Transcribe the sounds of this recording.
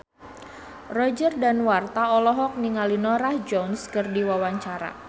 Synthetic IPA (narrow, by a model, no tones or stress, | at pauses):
rɔd͡ʒərdanwart̪aɔlɔɦɔk̚niŋalinɔɾahd͡ʒɔnskərdiwawaɲt͡ʃaɾa̰